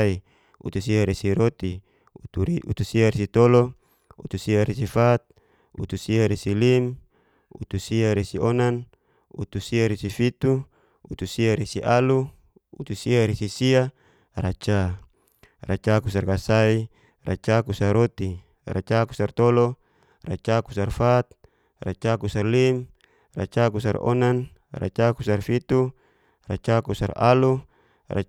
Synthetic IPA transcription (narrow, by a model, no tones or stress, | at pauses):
i | ṵt̪usiaɾesiɾot̪i | ṵt̪usiaɾesit̪ɔlɔ | ṵt̪usiaɾesifat̪̚ | ṵt̪usiaɾesilim | ut̪usiaɾesionan | ṵt̪usiaɾesifit̪u | ut̪usiaɾesiʔalu | ṵt̪usiaɾesisia | rat͡ʃa | rat͡ʃakus̬arkasai | ra̰t͡ʃakusaɾot̪i | ra̰t͡ʃaku̥sart̪ɔlɔ | rat͡ʃakusarfat̪̚ | rat͡ʃakusarlim | ra̰t͡ʃakusa̰rɔ̰nan | ra̰t͡ʃakusarfit̪u | rat͡ʃakusa̰ra̰lu | ra̰